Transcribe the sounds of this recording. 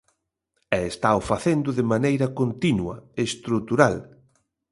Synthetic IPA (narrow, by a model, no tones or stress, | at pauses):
ɛest̪aofaθend̪ʊðɪmanejɾɐkont̪inwɐ̰est̪ɾut̪uɾal